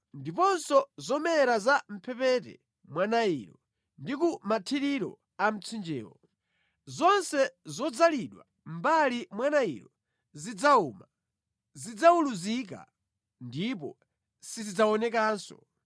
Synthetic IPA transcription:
ndipɔnsɔzɔmɛɾazam̩pʰɛpɛtɛ̰ | mwanaḭɾɔ | ndikumatʰiɾiɾɔ̰ | am̩t͡sʰind͡ʒɛ̰ːwɔ | zɔnsɛzɔd͡zaliɗwa̰ | m̩balimwanaḭɾɔ | zid͡zauːma | zid͡zauluzik̬a̰ | ndipɔ̰ | sizid͡zaɔnɛkaːnsɔ̰

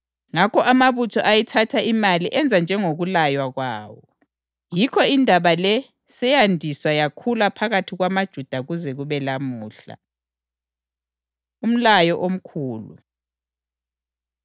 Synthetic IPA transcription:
ŋakɔʔamaβutʰɔʔajɛtʰatʰaimaliʔɛnd͡zʱand͡ʒʱɛŋoɣulajwaɣwa̰ːwɔ | jikʰɔindʱaβalɛ | sɛjandʱiswajakʰulapʰaɣatʰiɣwamad̥ʒ̥ʱud̥ʱaɣuzɛɣuβɛlamuːɬa̰ | um̩lajɔʔom̩kʰuːlṵ

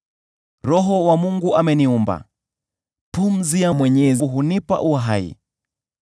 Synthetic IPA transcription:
ɾɔɦɔwamuŋɡuʔamɛniumba̰ | pum̩ziamwɛɲɛziɦunipa̰ʔuaɦaḭ

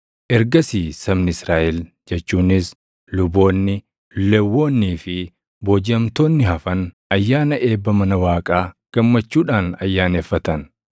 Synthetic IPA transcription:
ʔɛɾɡɐsiːsɐmnɪɪsɾaːʔɛl | d͡ʒɛt͡ʃːuːnɪs | lʊbo̞ːnːɪ | lɛwːo̞ːnːiːfɪ | bod͡ʒɐmt̪o̞ːnːɪhɐfɐn | ɐjːaːnɐʔe̞ːbːɐmɐnɐwaːkʼaːɡ̥ɐmːɐt͡ʃːuːᶑaːnɐjːaːneːfːɐt̪ɐn

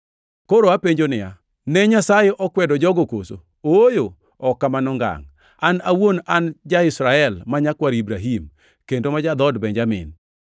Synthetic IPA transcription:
koɾoapeɲd͡ʒonɪja | nɛɲasajeʔɔkwɛdɔd͡ʒɔɡokoso̰ | oojo | ɔkːamanɔŋɡa̰ŋ | anawonand͡ʒaɪsɾaɛlmaɲakwaɾibɾaɦim | kendomad͡ʒad̪ɔdbɛɲd͡ʒamɪ̰n

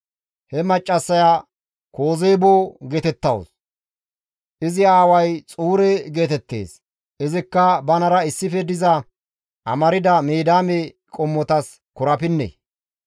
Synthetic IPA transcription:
hɛmɐt͡ʃʼːɐsːɐjaː | ko̞ːze̞ːboːɡeːt̪ɛt̪ːɐwʊ̰s | ʔɪzɪaːwɐjt͡sʼuːɾeɡe̞ːt̪ɛt̪ːe̞̰ːs | ʔɪzɪkːɐbɐnɐɾɐɪsːɪfɛd̪ɪzɐ | ʔɐ̰mɐɾɪd̪ɐmeːd̪aːme | kʼɔmːɔt̪ɐs | kʊɾɐpɪnːḛ

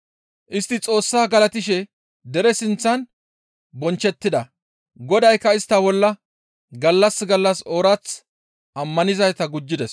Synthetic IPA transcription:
ʔɪst̪ːɪt͡sʼo̞ːsːaːɡɐlɐt̪ɪʃ̬ɛ | d̪ɛɾɛsɪnt͡sːɐn | bɔnt͡ʃːɛt̪ːɪd̪ɐ | ɡɔd̪ɐjkːɐɪst̪ːɐbɔlːɐ | ɡɐlːɐsɡɐlːɐsoːɾɐt͡s | ʔɐmːɐnɪzɐjt̪ɐɡʊd͡ʒːɪd̪ɛs

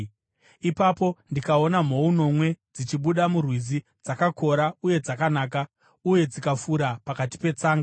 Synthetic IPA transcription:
ipapo̞ndikao̞nam̤o̞uno̞mwe̞d͡zit͡ʃiɓuɗamurwizi | d͡zakako̞ɾauje̞d͡zakanaːk̬a | uje̞d͡zikafuɾapakati̥pe̞t͡saːŋɡaa

